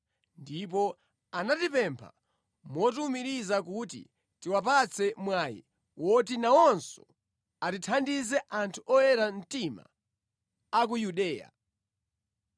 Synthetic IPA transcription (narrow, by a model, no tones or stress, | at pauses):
ndip̬ɔ | anatipɛmpʰa̰ | mɔtumiɾizakutḭ | tiwap̬at͡sʰɛmwaːjḭ | wɔtinawɔnsɔ | atitʰandizɛʔantʰuʔɔjɛɾan̩tima̰ː | k̬ujuɗɛːja̰